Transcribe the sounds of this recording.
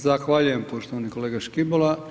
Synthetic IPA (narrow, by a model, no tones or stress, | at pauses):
zaxʋaʎuje̞mpoʃt̪oʋanikoleːɡaʃkibola